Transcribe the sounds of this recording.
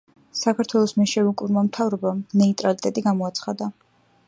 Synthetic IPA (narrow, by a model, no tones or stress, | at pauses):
sakʰaɾt̪ʰwɛlˠɔsmɛʃɛvukʼuɾmamt̪ʰavɾɔbanɛit̪ʼɾalit̪ʼɛt̪ʼiɡamɔat̪sʰχad̪a